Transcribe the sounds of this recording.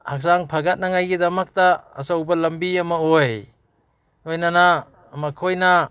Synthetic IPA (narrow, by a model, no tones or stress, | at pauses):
hak̚saŋpʰaɡat̚naŋajɡidɐmɐk̚ta̰ːsawbɐlɐmbiɐmɐoj | ojnana | makʰojna